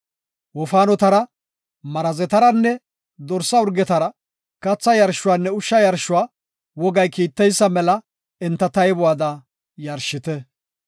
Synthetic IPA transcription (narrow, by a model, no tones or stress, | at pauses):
wɔfaːnɔt̪ɐɾɐ | mɐɾɐzɛt̪ɐɾɐnːɛ | d̪ɔɾsːɐʊɾɡɛt̪ɐɾɐ | kɐt͡sːɐjɐɾʃːʊwaːnːɛʊʃːɐjɐɾʃʊwaː | wɔɡɐjkiːt̪ːɛjsːɐmɛlɐ | ɛnt̪ːɐt̪ɐjbʊwaːd̪ɐ | jɐɾʃɪt̪ɛ